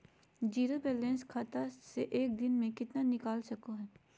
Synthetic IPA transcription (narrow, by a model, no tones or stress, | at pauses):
d͡ʒiːɾobeːlẽːnskʰaːt̪aseʔeːk̚d̪ɪnmẽkɪt̪nanɪkaːlsɐkoɦɛː